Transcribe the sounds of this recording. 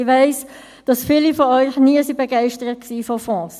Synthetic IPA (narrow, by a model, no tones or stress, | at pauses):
vɛɪs | d̥ɑsfiːlifoɔʏçniəsibəɡaɪʃtəʁət̚ksiːfofɔ̃ːs